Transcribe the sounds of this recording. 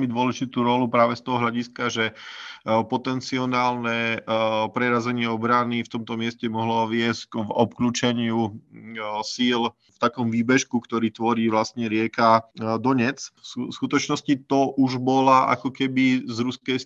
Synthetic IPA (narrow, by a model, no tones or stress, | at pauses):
ɛmid̪ʊɔlɛʒit̪uːɾɔlupɾaːʋɛst̪ɔɦɔɦlʎaɟiskaʒɛ | pɔt̪ɛnt͡siɔnaːlnɛ | pɾɛɾazɛɲɪɛɔbɾanift̪ɔmt̪ɔmɪɛscɛmɔɦlɔʋɪɛscɡvɔpkluːt͡ʃɛɲɪu | siːl | ft̪akɔmʋiːbɛʃkukt̪ɔɾiːt̪ʋɔɾiːʋlast̪ɲɛɾɪɛkad̪ɔɲɛt͡sfsuskut̪ɔt͡ʃnɔscit̪ɔʔuʒbɔlaʔa̰kɔkɛbizɾuskɛjs